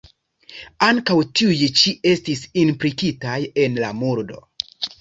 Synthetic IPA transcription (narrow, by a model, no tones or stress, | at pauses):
aŋkawtiujt͡ʃie̞stisinplikitaje̞nlamuɾdo̞̰